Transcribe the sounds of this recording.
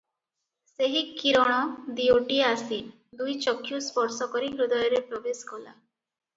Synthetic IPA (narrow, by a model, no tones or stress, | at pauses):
seɦikiɾɔɽ̃ɔd̪ioʈiasi | d̪ujt͡ʃɔkʰːjuspɔɾsɔkɔɾiɡɾud̪ɔjɔɾepɾɔbeskɔla̰